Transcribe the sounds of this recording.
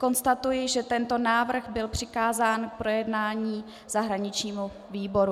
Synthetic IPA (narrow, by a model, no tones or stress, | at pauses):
ko̞nst̪at̪ujɪʒɛt̪ɛnt̪o̞naːvr̩ɣbɪlpr̝̥ɪkaːzaːnk̚pɾo̞jɛdnaːɲiː | z̥aɦɾaɲɪt͡ʃɲiːmu | viːbo̞ɾu